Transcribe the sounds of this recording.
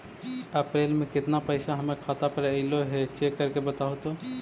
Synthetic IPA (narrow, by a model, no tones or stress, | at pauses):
əpɾeːlmẽkɪt̪napəɪsaɦɐmekʰaːt̪apəɾəɪloɦɛt͡ʃekːəɾkebət̪aɦot̪o